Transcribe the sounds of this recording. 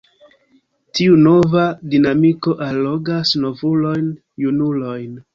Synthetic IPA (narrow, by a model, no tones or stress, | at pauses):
tʰiuno̞vadinamiko̞ʔalːoɡasno̞vulo̞jn | junulo̞jn